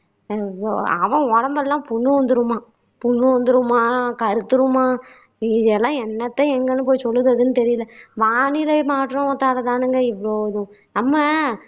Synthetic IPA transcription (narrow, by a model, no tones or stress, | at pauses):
ɐ̰ʋɐ̃ɔɽɐmbɛlːãːpʊɳːɯʋɐnd̪ɯɾɯmaː | pʊɳːɯʋɐnd̪ɯɾɯmaːkɐɾɯt̪ːɯɾɯmaː | ɪðɛlːãːɛnːɐt̪ːɐɛŋɡɐnːɯpoːjsɔlːɯðɯɐðɯnɯt̪ɛɾɪjɯlɐʋaːɳɪlɐmaːʈːɾõːʋɐt̪ːaːlɐt̪ãːnɯŋɡɐɪʋɐɭoːɐðʊ̃ | nɐmːɐ